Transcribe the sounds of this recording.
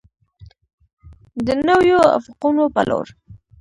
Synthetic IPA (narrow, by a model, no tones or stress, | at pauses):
d̪ənawjoa̰fɪqunopə̰lʔo̰ɾ